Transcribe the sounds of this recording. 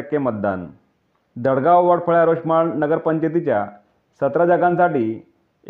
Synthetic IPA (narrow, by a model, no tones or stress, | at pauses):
akːemət̪̚d̪a̰n | d̪əɽɡaʋʋəɽpʰəɭjaɾoɕmaɭnəɡəɾpəɲd͡ʑət̪̬it͡ɕja | sət̪ɾad͡ʑaɡãnsaʈiː